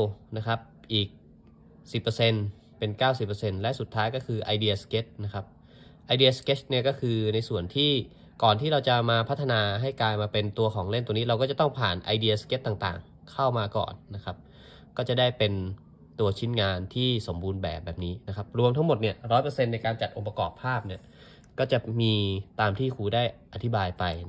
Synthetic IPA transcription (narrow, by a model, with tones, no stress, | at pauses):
na˦˥kʰa˦˥p̚ | ʔiː˨˩k̚ | si˨˩pːɤː˧se˧n | pe˧nkaː˥˩wsi˨˩pːəː˧se˧nlɛ˦˥su˨˩t̪ʰːaː˦˥jkɔ˥˩kʰɯː˧ʔa˧jdi˧ɐske˦˥t̪̚na˦˥kʰa˦˥p̚ | ʔa˧jdi˧ɐ˧ske˦˥t͡ɕni˥˩kɔː˥˩kʰɯː˧na˧jsu˨˩ənt̪ʰiː˥˩ | kɔː˨˩nt̪ʰiː˥˩ɾa˧wt͡ɕa˨˩maː˧pʰa˦˥t̪ʰːa˧naː˧ɦa˥˩jkaː˧jmaː˧pe˧nt̪u˧ɐkʰɔː˩˦ŋle˥˩nt̪u˧niː˦˥ɾa˧wkɔː˥˩t͡ɕa˨˩t̪ɔ˥˩ŋpʰaː˨˩nʔa˧jdi˧ɐske˦˥t̪ːa˨˩ŋt̪a̰ː˨˩ŋ | kʰa˥˩wmaː˧kɔ̰ː˨˩nːa˦˥kʰa˦˥p̚ | kɔː˥˩t͡ɕa˨˩da˥˩jpe˧n | t̪u˧ɐt͡ɕʰi˦˥nŋaː˧nt̪ʰiː˥˩so˩˦mbuː˧nbɛ̰ː˨˩p̚bɛː˨˩p̚niː˦˥na˦˥kʰa˦˥p̚ɾu˧əmt̪ʰa˦˥ŋmo˨˩t̪̚ni˥˩ɐɾɔː˦˥jpɤː˧se˧nːa˧jkaː˧nt͡ɕa˨˩t̪̚ʔo˧ŋpa˧kɔ̰ː˨˩pʰːaː˥˩p̚ni˥˩ɐ | kɔː˥˩t͡ɕa˨˩miː˧t̪aː˧mt̪ʰiː˥˩kʰuː˧daː˥˩jʔa˧t̪ʰi˦˥baː˧jpa˧j